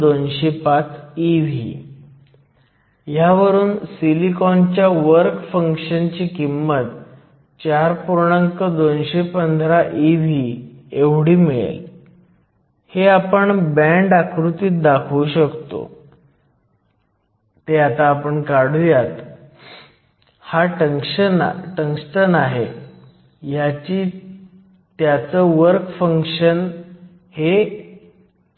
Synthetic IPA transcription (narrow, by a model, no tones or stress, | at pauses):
d̪onɕepat͡siʋʱḭ | jaʋəɾuːnsilikɔnt͡ɕjaʋəɾkfəŋkɕənt͡ɕiːkimːət̪ | t͡ɕaɾpuɾɳəŋkəd̪onɕepənd̪ʱɾaʔiʋieʋɽiːmiɭḛl | heapəɳbɛ̃ɳɖakɾut̪iːt̪̚d̪akʰuɕəkt̪o̰ | t̪eat̪aːpəɳkaɽ̤ujat̪ | haʈəŋkɕənʈəŋksʈənaɦe | jat͡ɕiː | t̪jat͡səʋəɾkfəŋkɕən | he